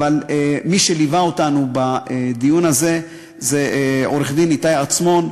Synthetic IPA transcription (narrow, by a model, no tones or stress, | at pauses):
valemiʃe̞livaotanubaed̪ijunaze̞ | zeo̞ɾeχd̪init̪ajat͡smo̞n